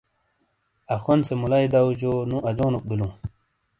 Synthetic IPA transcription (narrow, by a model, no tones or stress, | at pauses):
ɐxonsemulajd̪awd͡ʑonũʔɐd͡ʑoːnok̚bilũ